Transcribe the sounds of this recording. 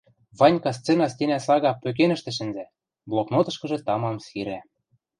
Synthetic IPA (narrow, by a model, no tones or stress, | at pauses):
βɑnʲkɑst͡senɑst̪ʲenæsɑɣɑpt̪øk̬enɘ̆ʃt̪ɘ̆ʃ̬ɘ̆nzæ | blˠoknot̪ɤ̆ʃkɤ̆ʒĕt̪ɑmɑmsiɾæ